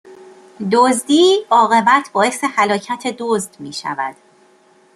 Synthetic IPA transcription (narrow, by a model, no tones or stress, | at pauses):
d̪ozd̪iːɒːɣe̞bæt̪ʰbɒːe̞se̞hælɒːcʰæt̪ʰe̞d̪ozd̪̥miːʃæ̰væ̰d̪̥